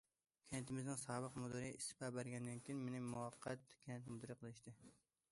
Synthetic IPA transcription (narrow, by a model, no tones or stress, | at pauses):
kʲʰɛnt̪ʰɪmɪznɪŋsɑːbəqmud̪ɨɾɨist̪ɪ̥pɑbæɾɡʲɛnd̪ænkʲijinmenɪmuwɑqʰːɑt̪kʲʰɛnt̪mud̪ɨɾɨqʰəlˠɨʃt̪ɪ